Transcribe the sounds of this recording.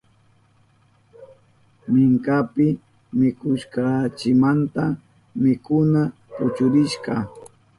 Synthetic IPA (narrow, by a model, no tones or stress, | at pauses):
mɪŋkapɪ | mɪkʊʃkɑt͡ʃɪmant̪a | mɪkʊna | pʊt͡ʃʊɾɪʃɢɑ